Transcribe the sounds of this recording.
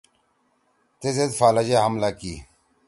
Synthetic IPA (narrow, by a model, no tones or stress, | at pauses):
t̪ezed̪faːlɐd͡ʑeɦɐmlakḭː